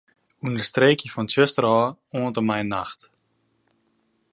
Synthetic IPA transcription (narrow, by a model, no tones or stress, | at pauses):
undəstreːkifɔntøstəɾɔːɔːntəmaɪnːa̰xt